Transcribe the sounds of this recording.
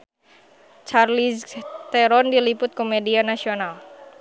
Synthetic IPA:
t͡ʃarlist̪ɛɾɔndilipʊt̪̚komedianasional

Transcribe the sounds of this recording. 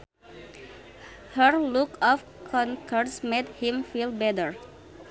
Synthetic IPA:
həɹlʊkʰɔf | kʰɔŋkʰəɹsmed̪hɪmfilbɛd̪əɹ

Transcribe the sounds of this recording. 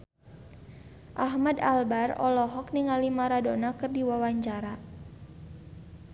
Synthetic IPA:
ʔaɦmadalbarɔ̰lɔɦɔk̚niŋalimaɾadonakɨrdiwawaɲt͡ʃaɾa

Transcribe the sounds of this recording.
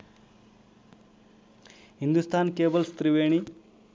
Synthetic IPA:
ɦind̪ust̪ʰaːnkeːbɐlst̪ɾiʋeːɳi

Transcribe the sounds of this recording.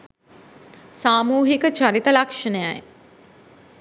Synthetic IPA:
saːmuːɦikət͡ʃaɾit̪əlakʂənəja̰j

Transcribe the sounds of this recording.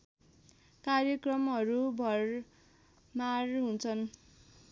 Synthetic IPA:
karjʌkrʌmɦʌɾubʱʌr | marɦunt͡sʰʌn

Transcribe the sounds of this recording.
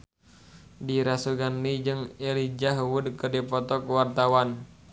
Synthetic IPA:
diɾasuɡanlid͡ʒɨŋelid͡ʒaɦuwudəkərdɛpɔt̪ɔkəwart̪awan

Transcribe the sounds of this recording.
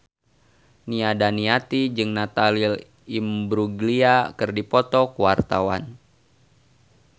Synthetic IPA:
niadaniat̪id͡ʒɨŋnat̪alil | imbɾuɡliakɨrdipɔt̪ɔkuwart̪awa̰n

